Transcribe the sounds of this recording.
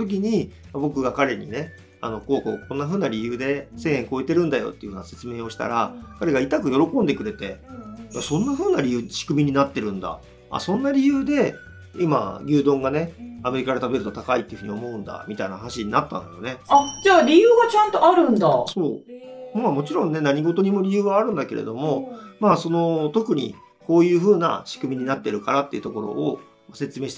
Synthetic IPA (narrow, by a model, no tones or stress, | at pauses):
t̪ok̬ʲiɲ̟i | mabo̞kɯ̟ɡakaɾe̞ɲ̟ḭne̞ | ano̞ko̞ːko̰ːkõ̞nːaɸɯ̟ːnaɾʲijɯːd̪e̞se̞ːẽ̞ŋko̞et̪e̞ɾɯ̟̃nd̪ajo̰t̪ːeiɯ̟hɯ̟ːnase̞t͡sɨme̞ːo̞ɕi̥t̪a̰ɾakaɾe̞ɡait̪akɯ̟jo̞ɾo̞kõ̞nd̪e̞kɯ̟ɾe̞t̪e̞jasõ̞nːaɸɯ̟ːnaɾʲijɯ̟ːɕi̥kɯ̟mʲiɲ̟inat̪ːe̞ɾɯ̟̃nd̪a̰ | a̰sõ̞nːaɾʲijɯːd̪e̞ | ima̰ɡʲɨːd̪õ̞ŋɡane̞ame̞ɾʲikad̪e̞t̪abe̞ɾɯ̟t̪o̞t̪akait̪ːeiɯ̟ɯ̟ɲio̞mo̞ɯ̟̃nd̪a̰mʲit̪aina̰hanaɕiɲ̟inat̪ːã̰nd̪a̰jo̞̰ne̞ad͡ʑaːɾʲijɯːɡat͡ɕãnt̪o̞aɾɯ̟̃nd̪aso̞ːmamo̞t͡ɕiɾõ̞nːe̞naɲ̟iɡo̞t̪o̞ɲ̟imo̞ɾʲijɯːβaːɾɯ̟̃nd̪ake̞ɾe̞̰d̪o̞mo̞maːso̞no̞t̪o̞kɯ̟ɲ̟ḭ | ko̞ːjɯ̟ːɸɯ̟ːna̰ɕi̥kɯ̟mʲiɲ̟inat̪ːe̞ɾɯ̟kaɾat̪ːeiɯ̟t̪o̞ko̞ɾo̞̰ʔː | mase̞t͡sɨme̞ːi̥t̪